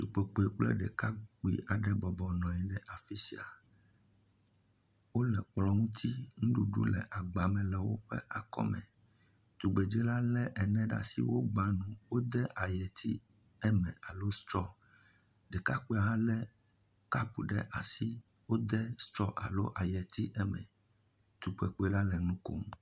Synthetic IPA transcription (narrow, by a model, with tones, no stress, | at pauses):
t̪u˨k͡pe˨k͡pe˨k͡plɛ̰˦ɖɛ˨ka˦k͡pḭ˦˨ʔa˨ɖɛ˦bɔ˨bɔ˨nɔ̃˨jɛ˨ɖɛ˦ʔa˨fi˦si˨a˨ | wo˦lɛ˨k͡plɔ̃˦ŋũ˦t̪ʰi˦ŋũ˦ɖu˨ɖṵ˦lɛ̰˨ʔa˨ɡ͡ba˨mɛ̃˨lɛ˨wo̰˦ɸɛ̰˦ʔa˨kɔ̰˦mɛ̰̃˨ | t̪u˨ɡ͡be˨d͡ʒɛ˦la˦lɛ˦ʔɛ˨nɛ̃˦ɖa̰˨si˦wo˦ɡ͡ba˨nũ˨wo˦d̪ɛ˦ʔa˨jɛ˨t̪ʰi˦ | ɛ˦mɛ̰̃˨a˨lo˦st̪ɾɔ˦ | ɖɛ˨ka˦k͡pe˦a˨ɦã˦lɛ˦ | ka˦pu˨ɖɛ̰˦ʔa˨si˦ | wo˦d̪ɛ˦st̪ɾɔ˦ʔa̰˨lo˦ʔa˨jɛ˨t̪i˦ʔɛ˦mɛ̰̃˨ | t̪u˨k͡pɛ˨k͡pe˦la˦lɛ˨nũ˦ko̰˦m˦